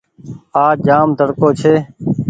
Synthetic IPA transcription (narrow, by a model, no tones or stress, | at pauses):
aːd͡ʒaːmd̪ʱəɽkoːt͡ʃʰeː